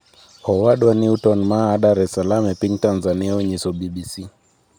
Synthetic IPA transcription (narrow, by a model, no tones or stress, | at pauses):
hɔwaɗwaniutɔnmaːɗaɾɛsalamɛpiŋtanzaniaɛɲisɔɓiɓisi